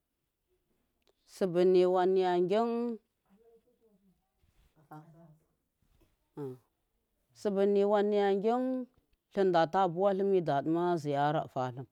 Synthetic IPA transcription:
si˨bi˨ni˨wa˨nːi˨ja˨ŋɡʲi˦n˨ | sə˨bə˨ni˨wa˦nːi˦ja˨ŋɡʲi˦n | ɬə˦nda˨ta˦˨bu˦wa˦ɬə˦mi˦da˨də˦ma˦zi˨ja˦ɾa̰˨ʔfa˨ɬə˦m

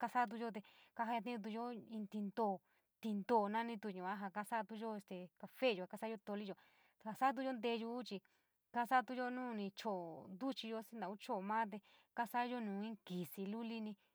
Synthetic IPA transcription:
ka˧sa˦t̪̬u˧ʒo˦t̪e˧ka˧ɦa˧ja˧t̪̬ĩ˦ũ˧t̪̬u˧jo˦ĩ˧t̪i˧nd̪o˧˨ | t̪i˧nd̪o˧˨nã˦nĩ˧t̪u˧˨ɲũ˨a˦ɦa˧ka˧sa˦˧t̪u˧ʒo˦e˧st̪e˨ka˧fe˦˨jo˧a˧ka˧sa˦jo˧t̪o˧li˦o˧˨˧ | ha˧sa˦t̪̬u˧jo˦nd̪e˧ju˧˦t͡ʃi˧ | ka˧sa˦˧t̪u˧jo˦nũː˦˧nĩ˧t͡ʃo˨nd̪u˦t͡ʃi˧jo˧sĩ˦nd̪ã˨u˦t͡ʃo˦˨mã˦t̪̬e˧ka˦sa˦jo˦nũː˨˦˧ĩ˦ki˨si˧lu˦li˦nĩ˧

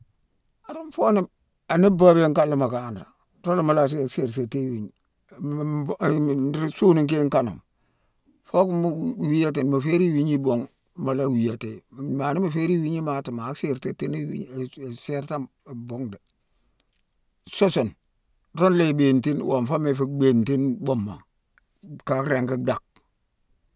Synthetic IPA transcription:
a˨ɾo˦mfo˦ni˦ | a˨ni˦ba˦be˦ŋka˦lːu˨ma˨ka˨nɾa̰˨ | ɾo˦lma˨la˦s̬se˨ɾta˨te˦wi˨ɲi˦ | suː˦ni˨ŋk̬e˦ŋka˦no̰˨m | fo˦kmwi˦ja˦t̬e˨nma˨fe˦ɾi˦wi˦ɲi˦bo˨ŋ | ma˨la˦wi˨ja˨te˨ma˨ni˦ma˨fe˦ɾi˦wi˦ɲi˦ma˨ti˨ma˨˦kse˦ɾte˨tːi˦n˦wḭ˦˨se˦ɾta˦˨ | bo˦ŋde˨ | so˦so˨n | ɾo˦nle˦˨be˨nti˦nwo˨mfa˦me˨fi˦be˦˨nti˦nbo˦mːa̰˨ | ka˦kɾe˨ŋki˦da˨k̚

